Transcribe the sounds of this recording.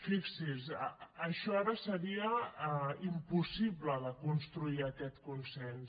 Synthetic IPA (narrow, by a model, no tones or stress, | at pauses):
fiksisəːʃɔaɾəsəɾiə | impusiβləðəkunst̪ɾuiəkɛt̪kunsɛns